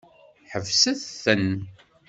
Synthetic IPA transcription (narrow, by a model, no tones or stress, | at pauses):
ħəvsæθθən